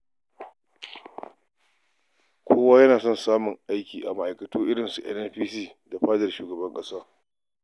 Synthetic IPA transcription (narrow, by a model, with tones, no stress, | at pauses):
kʷʰoː˦waː˦jɐ˦naː˨sɔ˦˨nsaː˦mʊ˨ŋʔa˦jkʲiː˨ʔa˨mɐ˨ʔa˨jkɐ˨tuː˦ʔɪ˦ɽɪ˨nsu˨ʔɛ̰˦nʔɛ˦nɸiː˦siː˦˨da˨ɸaː˦dɐ˨rʃuː˨ɡɐ˨bɐ˦ŋkʼɐ˦saː˦